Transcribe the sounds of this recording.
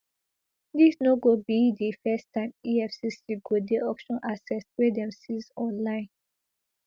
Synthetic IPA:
disnoɡobidifɛstãɪmiɛfsisiɡodeʔɔkʃɔ̃nʔasɛswɛdɛ̃msizɔ̃nlãɪ̃n

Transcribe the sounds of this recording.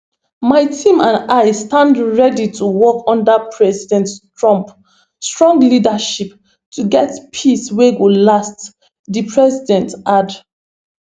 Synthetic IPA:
maɪtʰĩmãnaɪstãndɹɛditʰuwɔkɔ̃ndapʰɹɛzidɛ̃nttɹɔ̃mp | stɹɔ̃ŋɡlidaʃip | tʰuɡɛtpʰisweɡolast | dipʰɹɛzidɛ̃ntʔad

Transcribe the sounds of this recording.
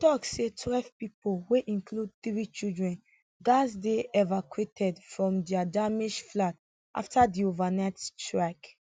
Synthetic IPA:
tɔksetʰwɛlvpipolweʔĩnklud̚θɹit͡ʃildɹɛ̃n | ɡasdeɛvakwetʰɛdfɹɔ̃mdɛadamiʃflat | ʔa̰ftadiovanaɪttɹak

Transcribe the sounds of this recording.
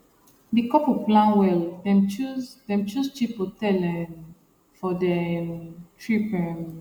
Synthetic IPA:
dikɔpoplãnwɛldɛ̃mt͡ʃuzdɛ̃mt͡ʃust͡ʃipotɛlɛ̃n | fɔdɛ | tʰɹipɛm

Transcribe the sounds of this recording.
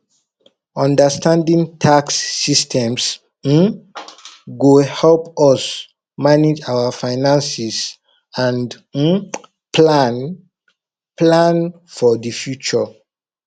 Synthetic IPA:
ɔ̃ndəstʰãndĩŋtʰaksːistʰɛ̃ms̩ | ɡohɛlpɔs | maned͡ʒawafaɪnãnsis | ãnd̩ | pʰlan | plãn | fɔdifjut͡ʃɔ

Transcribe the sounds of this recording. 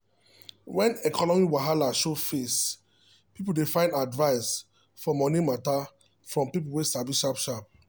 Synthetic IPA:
wɛ̃nɛkʰɔnɔmiwaɦalaʃofes | pip̬ul̩defãɪ̃ndadvaɪs | fɔmɔnimata | fɹɔ̃mpip̬uwesavisʃapʃap̚

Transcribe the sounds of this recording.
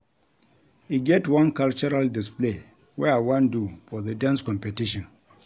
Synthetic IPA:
iɡɛtwãnkalt͡ʃɔɾaldisple | wɛawãndufɔðədãnskɔ̃mpɛtiʃɔ̃n

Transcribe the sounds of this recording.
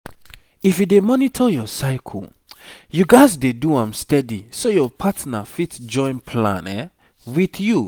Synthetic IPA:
ifjudemɔnitʰɔjɔsaɪkʰɔ̰l | juɡaɪzdeduãmstɛdisojɔpʰatnafitd͡ʒɔ̃ɪ̃npʰlã̰nɛ | wiθju

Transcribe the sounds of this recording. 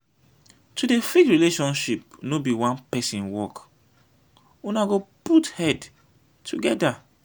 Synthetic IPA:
tʰudefikɹileʃɔ̃nʃip̚nobiwãnpɛsĩnwɔk | unaɡoputhɛd | tʰuɡɛda

